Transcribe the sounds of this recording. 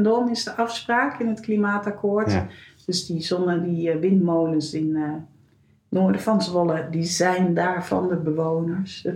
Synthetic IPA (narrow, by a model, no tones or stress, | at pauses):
ndɔnɪsdəʔɑfspraːkɪnɦətklimaːtakʰoːɹtd̥øsdizɔndədiʋɪntmowlənsɪn | oːɹdəfɑnsʋɔlədizɛjndaːɹvɑ̰ndəbəʋownəɹs